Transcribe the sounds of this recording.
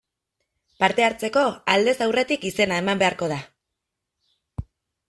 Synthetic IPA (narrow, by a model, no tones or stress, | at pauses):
paɾt̪e̞aɾt͡se̞ko̞ald̪e̞sawre̞t̪ikise̞nae̞mambe̞aɾko̞ð̞a